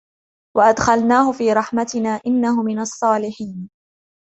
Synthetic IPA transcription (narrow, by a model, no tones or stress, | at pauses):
waʔad̪xalnaːhʊfiːɾˤɑħmat̪ɪnaːʔɪnːahʊmɪnɑsˤːɑːlɪħiːn